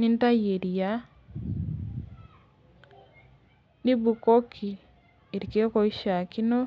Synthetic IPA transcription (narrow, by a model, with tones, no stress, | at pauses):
ni˦n˦ta˦je˨ɾi˨ja˦ | ni˦bu˨ko˦kʰi˨ | e˨ɾike˦ko˨i˦ʃa˨ki˦no˦